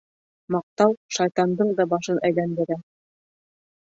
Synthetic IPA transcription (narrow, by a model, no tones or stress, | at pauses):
mɑq̚t̪ɑwʃɑjt̪ɑnd̪ɤɴd̪ɑbɑʃɤnʔæjlænd̪ɘ̆ɾæ